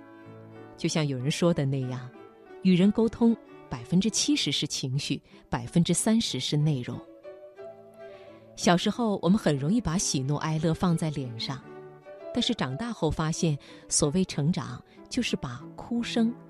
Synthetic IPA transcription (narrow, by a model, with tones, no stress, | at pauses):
t͡ɕjo˥˧ʊɕjɑ˥˩ŋjo˨˩ʊɻə˧˥nʂwɔ˥d̪ə˨ne˥˩ɪja˥˩ŋ | y˨˩ɻə˧˥nko˥ʊt̪ʰʊ˥ŋpa˨˩ɪfə˥nʈ͡ʂɻ̩˥t͡ɕʰi˥ʂɻ̩˧˥ʂɻ̩˥˩t͡ɕʰi˧˥ŋɕy˥˩ | pa˨˩ɪfə˥nʈ͡ʂɻ̩˥sa˥nʂɻ̩˧˥ʂɻ̩˥˧ne˥˩ɪɻʊ̰˧˩ŋ | ɕjɑ˨˩ʊʂɻ̩˧˥xo˥˩ʊwʔɔ̰˨˩mə˦nxə˨˩nɻʊ˧˥ŋi˥˩pa˧˥ɕi˨˩nwɔ̰˥˧ʔa˥ɪlɤ˥˧fɑ˥˧ŋt͡sa˥˩ɪljɛ˨˩nʂɑ˥˩ŋt̪a˥˧nʂɻ̩˥˩ʈ͡ʂɑ˨˩ŋt̪a˥˧xo˥˩ʊfa˥ɕjɛ˥˩n | swɔ˨˩we˥˩ɪʈ͡ʂʰɤ˧˥ŋʈ͡ʂɑ̰˨˩˦ŋ | t͡ɕjo˥˧ʊʂɻ̩˥˩pa˨˩kʰu˥ʂɤ˥ŋ